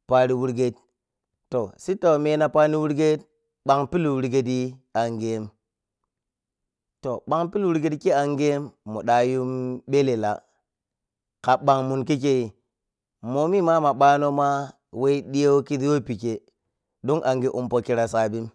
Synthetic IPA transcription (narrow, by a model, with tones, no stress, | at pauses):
pa˨ɾi˨wu˦ɾɡe˦t | to˨si˦ta˨me˦na˨pa˦ni˦wu˦ɾɡe˦t̚ | ɓa˨ŋpi˦lwu˦ɾɡe˦d̬i˦a˨ŋɡe˨˦m | to˨ɓa˨ŋpi˦lwu˦ɾɡe˦tki˦a˨ŋɡe˦mːṵ˨ɗa˨ju˦mɓe˦le˨la̰˨ | ka˨ɓa˨ŋmu˨nk̬i˦ke˦i˨ | mo˨mi˦ma˦ma˨ɓa˦no˦ma˦ | we˦i˦ɗi˦je˦wo˦ki˦di˦wo˦˨pi˨ke˨ | du˦ŋʔa˨ŋɡi˦ʔu˨mpo˨ki˦ɾa˨sa˨bi˦m